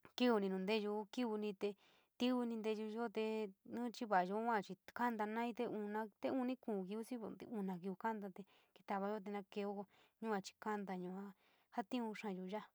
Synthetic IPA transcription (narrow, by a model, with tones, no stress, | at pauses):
ki˦u˧nĩ˧nũ˨nd̪e˦ʒu˧ki˦βu˧nĩ˧t̪e˧ | t̪i˦u˧nĩ˧nd̪e˧u˧ʒo˦˧t̪e˧nũ˦t͡ʃi˦βa˨jo˧˦ã˦˨t͡ʃi˧ka˦nd̪a˧nã˦ĩ˧t̪e˧u˧nã˧t̪e˧˦u˧nĩ˦kũː˨ki˧u˦si˦˧u˧nã˨˧k̬i˧u˧ka˦nd̪a˧t̪e˧ | ki̥˧t̪a˧βa˧jo˦t̪̬e˧nã˧ke˧o˦ko˧ | ɲũ˦ã˧t͡ʃi̥˧ka˦nd̪a˧ɲũ˧ã˧˦ | ha˦t̪ĩ˦ũ˧ʂã˧˨ju˧ʒa˦